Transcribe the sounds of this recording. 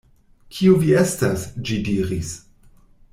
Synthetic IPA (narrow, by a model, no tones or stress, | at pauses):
kʰiuviestasd͡ʒidiɾis